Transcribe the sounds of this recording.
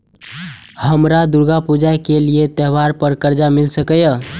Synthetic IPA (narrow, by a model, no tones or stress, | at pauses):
həmɾad̪uɾɡapud͡ʒajkeliet̪eɦʋaɾpəɾkəɾd͡ʒamilsəkəjə